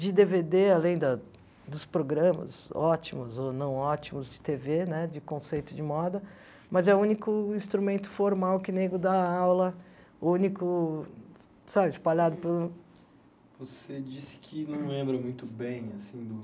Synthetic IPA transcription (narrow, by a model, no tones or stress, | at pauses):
d͡ʒɪd̪eved̪ealẽj̃d̪ɐ | d̪ʊspɾoɡɾɐ̃mɐ̰zɔt͡ʃimʊzonɐ̃w̃ɔt͡ʃimʊzd͡ʒɪt̪evenɛd͡ʒɪkõsejt̪ʊd͡ʒɪmɔd̪ɐ | mɐzɛʊũnikʊĩst̪ɾumẽnt̪ʊ̥foɾmawkɪneɡɾʊd̪aawlɐ | ũnikʊ | sabɪɪspaʎad̪ʊpelʊ | vosed͡ʒisɪ̥kʰɪnɐ̃w̃lẽmbɾɐmũj̃t̪ʊbẽj̃asĩd̪ʊ